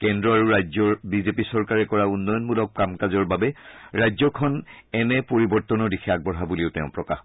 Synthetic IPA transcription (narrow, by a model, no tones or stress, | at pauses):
kɛndɹɔaɹuɹajzɔɹbizepisɔɹkaɹɛkɔɹaunːɔjɔnmulɔk̚pkamkazɔɹbabɛɹajzɔkʰɔnɛnɛpoɹibɔɹt̪ɔnɔɹdikʰɛaɡ̚bɔɦabuliʊtɛ̰ʊ̃pɹɔka̰x